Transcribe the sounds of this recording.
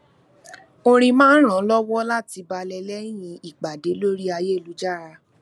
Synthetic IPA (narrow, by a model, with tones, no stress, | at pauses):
o˧ɾ̃ĩ˧mãː˦n̩˦ɾ̃ã˨˦lɔ˦wɔ˦la˦˨ti˧ba˧lɛ˧lɛ˦j̃ĩ˧i˨k͡pa˨de˨˦lo˦ɾi˦a˧je˦˨lu˨˦d͡ʒa˦˨ɾa˧